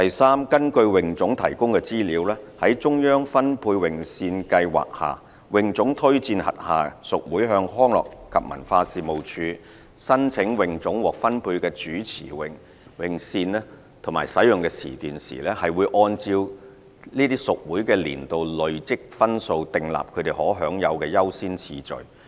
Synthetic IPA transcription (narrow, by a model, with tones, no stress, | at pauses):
t̪ɐ˨jsaː˥mkɐ˥nkɵ˧ɥwɪ˨ŋt͡sʊ˨˥ŋt̪ʰɐ˨˩jkʊ˥ŋkɛː˧t͡siː˥liː˨˥wlɛː˥hɐ˨˥jt͡ʃʊ˥ŋjœː˥ŋfɐ˥npʰuː˧jwɪ˨ŋsiː˧nkɐ˧jwa̰ː˨k̚ha̰ː˨ | wɪ˨ŋt͡sʊ˨˥ŋt̪ʰɵ˥ɥt͡siː˧nhɐ̰˨t̚haː˨sʊ˨k̚wuː˨˥jɦœː˧ŋɦɔː˥ŋlɔ̰ː˨kkʰɐ˨p̚mɐ̰˨˩nfaː˧siː˨mo˨wt͡ʃʰyː˨˧ | sɐ˥nt͡sʰɪ˨˥ŋwɪ˨ŋt͡sʊ˨˥ŋwɔː˨˩k̚fɐ˥npʰuː˧jkɛː˧t͡ʃyː˨˥t͡sʰḭː˨˩wɪ˨ŋ | wɪ˨ŋsiː˧nɛ˥ | t̪ʰʊ˨˩ŋma̰ː˨˩jsɐ˨˥jʊ˨ŋkɛː˧t͡sʰḭː˨˩t̪yː˨nsḭː˨˩lɛː˥hɐ˨jwu˨˧jʔɔː˧nt͡siː˧w | liː˥t̪iː˥sʊ˨k̚wuː˨˥jkɛː˧lḭː˨˩nt̪o˨wlɵ˨ɥt͡sɪ˥k̚fɐ˥nso˧wt̪ɪ˨ŋla̰ː˨p̚kʰɵ˨˧t̪e˨jhɔː˨˥ɦœː˨˥ŋjɐ˨˧wkɛː˧jɐ˥wsiː˥nt͡sʰiː˧t͡ʃɵ̰˨˩ɥ